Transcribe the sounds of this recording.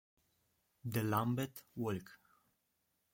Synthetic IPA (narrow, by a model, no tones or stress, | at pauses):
d̪əlambɛt̪wɔlk